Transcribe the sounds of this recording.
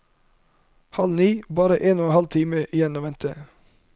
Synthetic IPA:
hɑlniːbɑːɾəʔeːnoːhɑlt̪ʰiːməʔɪjɛnɔʋɛnt̪ʰə

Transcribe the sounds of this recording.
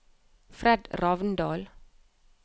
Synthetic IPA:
frɛdrɑːvəndɑːl

